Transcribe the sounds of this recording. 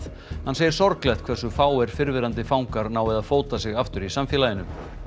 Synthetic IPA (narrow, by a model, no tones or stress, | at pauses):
hanseːjɪɾ̥sɔɾklɛht̪kʰv̥ɛɾ̥sʏfaːwɛɾ̥fɪɾvɪɾant̪ɪfaːwŋkaɾnaːwvɪðaðfoːwt̪asɪɣaft̪ʏɾisamfjɛlajɪnʏm